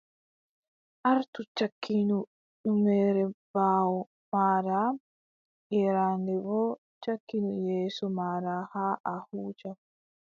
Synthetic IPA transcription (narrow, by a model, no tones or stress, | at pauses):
ʔaɾtut͡ʃakʰːinu | ɗumɛːɾɛbaːwɔ | maːɾa | ʔɛɾaːndɛbɔː | t͡ʃakːinujeːsɔmaɾaːhaːʔahuːd͡ʒa